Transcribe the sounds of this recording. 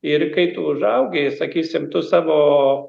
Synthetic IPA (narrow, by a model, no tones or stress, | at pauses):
ɪɾkɐɪt̪uʊʒɐʊɡʲesɐkʲiːsʲɪmt̪ʊsɑːʋoː